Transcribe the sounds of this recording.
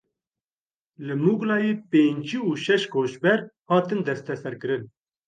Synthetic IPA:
lɨmuːɡlɑːjeːpeːnd͡ʒiːuːʃɛʃkʰoːʃbɛɾhɑːt̪ɨnd̪ɛst̪ɛsɛɾkɨɾɨn

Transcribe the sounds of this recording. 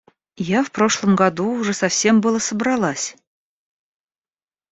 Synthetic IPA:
jɑfproʂlˠə̆mɡɑd̪uuʐəsɑfsʲembɯlˠɤsɤ̆bɾɑlˠɑsʲ

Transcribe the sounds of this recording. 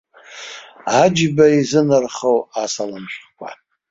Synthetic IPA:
ad͡ʒbaizɨnɨrχowasalamʃʷkʷʰa̰

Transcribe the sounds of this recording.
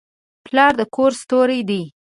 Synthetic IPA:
plɑɾd̪əkʰoɾst̪oɾed̪i

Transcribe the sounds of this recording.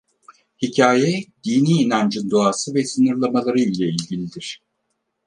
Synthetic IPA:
hicʰaːjɛd̪iːniːnænd͡ʒɯnd̪oaːsɯvɛsɯnɯɾlˠamalˠaɾɯilʲɛilʲɟilʲid̪iɾ̥

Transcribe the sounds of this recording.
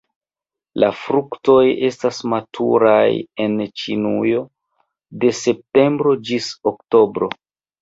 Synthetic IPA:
lafɾukto̞je̞stasmatʰṵɾaje̞nt͡ʃinujo̞ | de̞se̞p̚te̞mbɾo̞d͡ʒisokto̞bɾo̞

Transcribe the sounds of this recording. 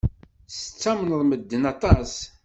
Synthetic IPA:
sə̥t͡sːæmənəðˤməd̪ːənɑt̪ˤɑs

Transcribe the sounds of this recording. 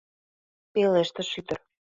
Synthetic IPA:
peleʃt̪ə̆ʃyt̪ə̆r

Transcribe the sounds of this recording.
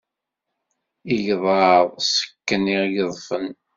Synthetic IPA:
iʝðˤɑðˤsə̥kːəniʁjəðˤfən

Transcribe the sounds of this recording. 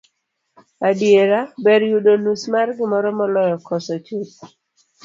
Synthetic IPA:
adjeɾabɛɾjudonusmarɡɪmɔɾɔmɔlɔjɔkɔsɔt͡ʃut̚

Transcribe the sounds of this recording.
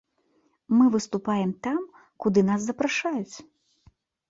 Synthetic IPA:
mɨvɨst̪upajɛmt̪am | kud̪ɨn̪as̬zɐpɾaʂajut͡sʲ

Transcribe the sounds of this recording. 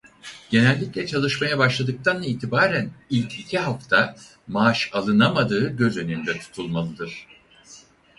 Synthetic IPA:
ɟ̥e̞nɛlʲːiclʲɛt͡ʃʰalˠɯʃmajabaʃlˠad̪ɯk̚t̪ʰanlˠaiːt̪ʰibaːɾænilʲcʰicʰiɦaft̪ʰa | maʃalˠɯnamad̪ɯːɟø̞zø̞nynd̪ɛt̪ʰu̥t̪ʰulˠmalˠɯd̪ɯɾ̥

